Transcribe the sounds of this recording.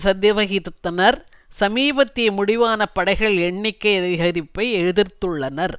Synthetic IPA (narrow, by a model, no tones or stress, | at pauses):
sɐd̪jɐʋɐɣɪtt̪ːɐnɐɾ | sɐmiːbɐt̪ːɪmʊɽɪʋaːnɐpːɐɽɐɪɣɐɭɛɳːɪkːɐɪɐðɐɪɦɐɾɪpːɐɪɛɻɯðɪɾt̪ːɯɭːɐnɐɾ